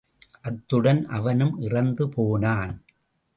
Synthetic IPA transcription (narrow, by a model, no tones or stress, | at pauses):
ʔɐt̪ːɯɽɐnʔɐʋɐnɯmʔɪrɐnd̪ɯpoːnaːn